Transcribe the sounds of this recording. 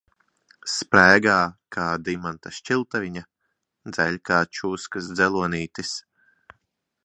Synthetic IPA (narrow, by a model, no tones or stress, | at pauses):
spɾæːɡaːkʰaːd̪imant̪aʃt͡ʃilˠt̪avʲiɲa | d̪zɛlʲkaːt͡ʃuːskasd̪zɛlˠuɔniːt̪is